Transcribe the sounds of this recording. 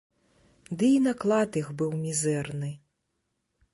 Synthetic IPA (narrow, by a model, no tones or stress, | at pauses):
d̪ɨinaklˠat̪ixbɨwmʲizɛrnɨ